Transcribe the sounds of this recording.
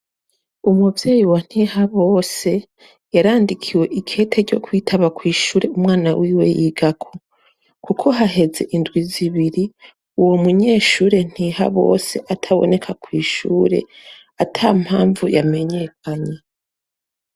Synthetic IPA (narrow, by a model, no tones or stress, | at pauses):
umuvje̞ːjiwan̥hihaβo̞ːse̞ | jaɾaːndikʰiwe̞ʔikʰe̞ːtʰe̞ɾɟo̞kwiːtʰaβakwiːʃuːɾe̞umwaːnawiːwe̞̰jiːɡakʰo̥ | kukʰo̞ɦaɦe̞ze̞ʔindɡwiziβiɾi | uwo̞muɲe̞ːʃuːɾe̞n̥hiːha̰βo̞̰ːse̞ʔatʰaβo̞̰ne̞kʰakwiːʃuːɾe̞̰ | atʰam̥haːɱvujame̞ɲe̞kʰaɲe̞